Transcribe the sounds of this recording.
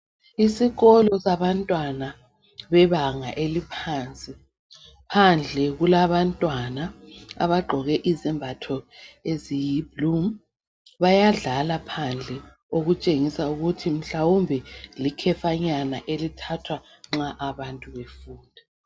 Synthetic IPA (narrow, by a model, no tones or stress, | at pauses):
isiɣɔlɔsaβantʼwana | βɛβaŋaʔelipʰaːnt͡sʼi | pʰand͡ɮʱɛɣulaβantʼwanaa̰βaɡ͡ǃʱɔɣɛʔizɛmbʱatʰɔezijiblum | βajaɮalapʰand͡ɮʱɛ | oɣut͡ʃʼeŋisauɣutʰim̩ɬawumbʱɛlikʰɛfaɲanaʔelitʰatʰwa | ŋ͡ǁaʔaβantʼuβefuːndʱa